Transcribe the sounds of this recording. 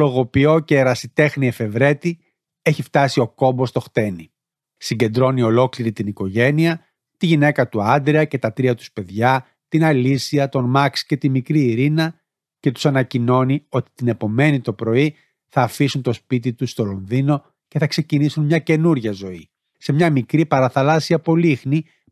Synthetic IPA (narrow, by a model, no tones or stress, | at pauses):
lo̞ɣo̞pio̞ce̞ːɾɐsit̪e̞xniefe̞vɾe̞t̪i | e̞çift̪ɐsio̞ko̞mbo̞st̪o̞xt̪e̞ni | siɲɟe̞nd̪ɾo̞nio̞lo̞kliɾit̪iniko̞ʝe̞niɐ | t̪iʝine̞kɐt̪uɐnd̪ɾiɐce̞t̪ɐt̪ɾiɐt̪u̥spe̞ðʝɐ | t̪inɐlisiɐt̪o̞nmɐksce̞t̪imikɾiːɾinɐ | ce̞t̪u̥sɐnɐcino̞nio̞t̪i̥t̪ine̞po̞me̞nit̪o̞pɾo̞i | θɐːfisunt̪o̞spit̪it̪ust̪o̞lo̞nðino̞ | ce̞θɐkse̞cinisunmɲɐce̞nuɾʝɐzo̞i | se̞mɲɐmikɾipɐɾɐθɐlɐsiɐpo̞lixni